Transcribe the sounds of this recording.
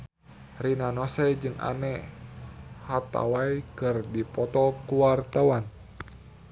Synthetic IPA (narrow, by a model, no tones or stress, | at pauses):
rinanɔsɛd͡ʒɨŋa̰nɛ | hat̪a̰wajkɨrdipɔt̪ɔkuwart̪awan